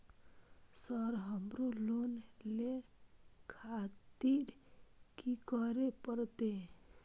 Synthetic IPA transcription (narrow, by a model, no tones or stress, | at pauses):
səɾɦəmɾulonle | kʰat̪iɾkikəɾepəɾt̪e